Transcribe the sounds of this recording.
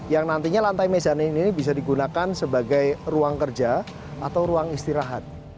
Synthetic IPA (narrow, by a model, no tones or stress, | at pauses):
jaŋnant̪iɲalant̪ajmezaniininibis̬adiɡunakansəbaɡajruaŋkərd͡ʒa | at̪awɾuaŋist̪iɾaɦat̪̚